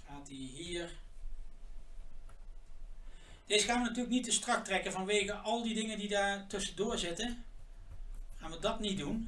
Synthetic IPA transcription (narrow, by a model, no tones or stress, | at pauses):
χaːtiɦiːɹ | d̥eːzəχaːnʋənatyːɹləknitəstrɑktrɛkəvɑnʋejɣəʔɑlˠdidɪŋəndidaːɹtɵsədʊːɹzɪtə | χaːnʋədɑtnidun